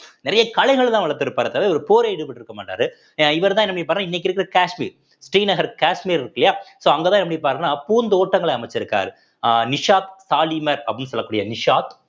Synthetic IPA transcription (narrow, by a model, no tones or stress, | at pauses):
nɪɾɐjɐkɐlɐɪɣɐɭt̪ãːʋɐɭɐɾt̪ːɪɾɯpːaːɾɐt̪ːɐʋɐɔɾɯpoːɾeɪɽɯpːɐʈːɪɾɯkːɐmaːʈːa̰ːɾɯ | ɪʋɐɾt̪̬ãːɛnːɐpɐɽip̬aːɾnaːɪnːɛk̬ːɪɾɯkːɪɾɐkaːʂmḭːɾ | sʈiːnɐɣɐɾkaːʂmiːɾɪɾɯkːɐlɐjaːsoːɐŋɡet̪ãːɛnːɐpːɐɽipaːɾnaːpuːnd̪oːʈːɐŋɡɐɭɛɐmɐt͡ʃːɪɾɯkːa̰ːɾɯ | nɪʂaːt̪saːlimɐɾɐpːɽɪnːɯsɔlːɐkːuːɽɪjɐnɪʂaːt̪